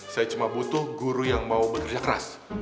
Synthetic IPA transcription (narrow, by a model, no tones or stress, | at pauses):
sajat͡ʃumabut̪ʊhɡuɾujaŋmaubəkərd͡ʒakəɾa̰s